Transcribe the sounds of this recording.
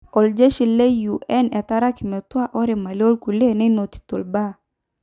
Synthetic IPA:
ɔ˨ld͡ʒe˦ʃi˨le˦ju˨ʔɛ˦nɛ˨ta˦ɾa˦kɪ˨mɛ˨twa˦ʔɔ˦ɾi˨ma˨lo˦lku˨le˦nɛ˦no˨t̪i̥˨to˨lba˦˨

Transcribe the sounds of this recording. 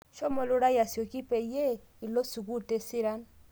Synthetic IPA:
ʃɔ˦mɔ˨lʊ˦ɾa˦ja˨sjɔ˨ki˦pe˨je˦ | i˨lo˦su˨ku˦te˦si˦ɾa˦n

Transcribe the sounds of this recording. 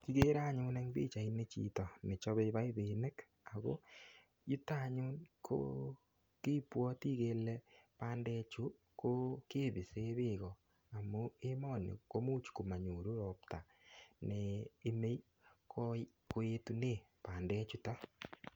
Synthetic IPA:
ki˦ɣe˦ɾa˦˨ɲo˦na˦ŋðḛ˦t͡ʃa˨i˦ne˦t͡ʃḭ˦tɔ˨ne˨t͡ʃɔ˦βe˦βa˦i˦ðe˨nɛ˦k | a˨ɣo̰˦ | ju˦ta˦˨ɲu˦nkʰo̰ | ke˦pwɔ˦ti˦ɣe˦lɛ˦pa˦ndɛ˦t͡ʃu˦ | ko˦ke˦˨βi˨se˦βɪ˦ɣɔ˨ | a˨mo˦e˦mɔ˦˨nḛ˨ko˦mo˦t͡ʃu̥˨ku˨ma˨ɲo˨ɾu˦ɾɔ˨p̚ta˨ | neː˨˦me˦i˦ | ko | ko˦e˦tu˦ne˦˨ | pa˨ndɛ˦t͡ʃu˦ta˦

